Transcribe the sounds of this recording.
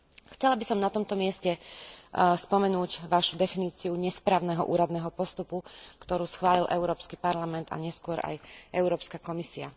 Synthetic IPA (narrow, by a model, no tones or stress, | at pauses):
xt͡sɛlabisɔmnat̪ɔmt̪ɔmɪɛscɛ | spɔmɛnuːɟʋaʃud̪ɛfiniːt͡siuɲɛspɾaːʊnɛɦɔ̰ʔṵːɾad̪nɛːɦɔpɔst̪upukt̪ɔɾuːsxʋaːlilʔɛʊɾɔːpskipaɾlamɛnt̪a̰ɲɛskʊɔɾa̰jʔɛʊɾɔːpskakɔmisia̰